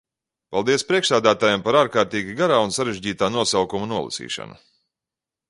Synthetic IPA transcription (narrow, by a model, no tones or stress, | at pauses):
palˠd̪iɛspɾiɛʃsæːd̪æːt̪aːjampaɾaːɾkaːɾt̪iːɡʲiɡaɾaːunsaɾeʒɟiːt̪aːnuɔsawkumunuɔlˠḭsḭːʃa̰nu